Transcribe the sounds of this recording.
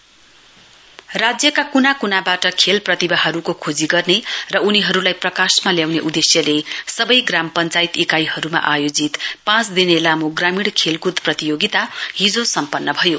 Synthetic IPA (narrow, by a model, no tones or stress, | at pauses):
rad͡zjʌkakunakunabaʈʌkʰelprʌt̪ibaɦʌɾukokʰod͡ziɡʌrnerʌuniɦʌɾulajprʌkasmaljawneʔud̪esjʌlesʌbʌjɡrampʌnt͡sajt̪ikajɦʌɾuma̰ʔajod͡zit̪pãt͡sd̪inelamoɡramiɽkʰelkud̪prʌt̪ijoɡit̪aɦid͡zosʌmpʌnːʌbʱʌjo